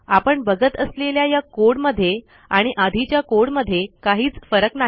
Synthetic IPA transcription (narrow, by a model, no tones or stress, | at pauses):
apəɳbəɡət̪əsleljajakoɽməd̪ʱːje | aɽ̃iʔad̪ʱit͡ɕjakoɽməd̪ʱːjekaɦiːt͡sfəɾəkna